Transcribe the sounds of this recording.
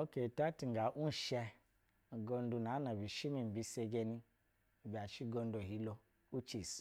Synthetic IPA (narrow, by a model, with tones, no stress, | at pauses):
o˦ke˨ta˦ti˨ŋ˨ɡa˨ʔu˦n̩˨ʃɛ˧˨ | ɡo˧n˦du˧na˨˦na˨bi˨ʃi˦mi˨m̩˨bi˧se˧ɡe˧ni˧˨ | bi˨a˨ʃi˦ɡo˧n˦do˨ɦi˦lo˧ | u˦t͡ʃi˨s